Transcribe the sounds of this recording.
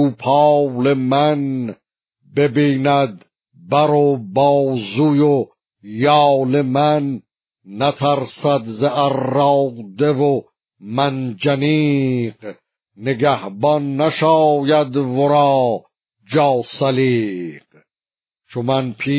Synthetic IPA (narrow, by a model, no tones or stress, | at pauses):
uːpʰɑːle̞mæn | be̞biːnæd̪ | bæɾobɑːzujo | jɑːle̞mænː | æt̪ʰæɾsæd̪zeʔærːɑːɡd̪evo | mænd͡ʒæniːq | neɡæhbɒnːæʃɑːjæd̪voɾɑː | d͡ʒɑːsæliːq | t͡ʃʰomænpʰiː